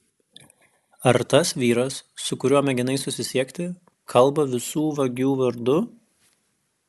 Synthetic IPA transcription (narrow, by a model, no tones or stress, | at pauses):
ɐɾt̪ɐsʋʲiːɾɐsːʊkʊɾʲuɔmʲɛɡʲɪnɐɪsʊsʲɪsʲiɛkʲt̪ʲɪ | kʰɐlˠˑbɐʋʲɪsuːʋɐɡʲuːʋɐɾd̪ʊ